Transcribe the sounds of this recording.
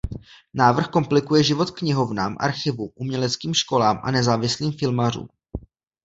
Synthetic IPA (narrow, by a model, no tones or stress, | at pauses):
naːvr̩xko̞mplɪkujɛʒɪvo̞t̪kɲɪɦo̞vnaːmʔa̰ɾxɪvuʔumɲɛlɛt͡skiːmʃko̞laːmʔa̰nɛzaːvɪsliːmfɪlmar̝ṵːm